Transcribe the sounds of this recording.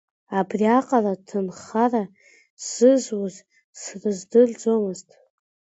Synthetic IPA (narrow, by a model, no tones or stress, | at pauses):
abriaqʼalatʰɨnχara | sɨzwaz | srɨzdɨrd͡zo̞mɨztʼ